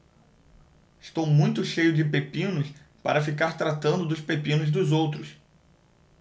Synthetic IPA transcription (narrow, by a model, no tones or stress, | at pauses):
ɪʃt̪owmũj̃t̪ʊʃejʊd͡ʒɪpepĩnʊs | pa̰ɾɐfikaɾt̪ɾat̪ɐ̃nd̪ʊd̪ʊspepĩnʊzd̪ʊzowt̪ɾʊs